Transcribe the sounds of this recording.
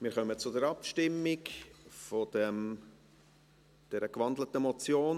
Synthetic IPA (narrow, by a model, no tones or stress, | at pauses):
mɪːɾχœmət͡sʊdəɾɑpʃtɪmːɪkfɔd̥̪ɛm | d̥ɛɾəkʋɑndlət̪əmɔt͡sjoːn